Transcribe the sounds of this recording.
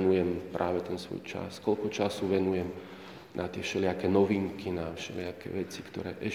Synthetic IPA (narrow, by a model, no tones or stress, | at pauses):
nujɛmpɾʔaːʋɛt̪ɛnsʋɔ̰jt͡ʃa̰skɔlkɔt͡ʃasuːʋɛnujɛm | nʔat̪ɪɛfʃɛlɪakɛːnɔʋiːŋkʰinafʃɛ̰lɪakɛ̰ːʋɛt͡si̥kt̪ɔ̰ɾɛ̰ːʔɛ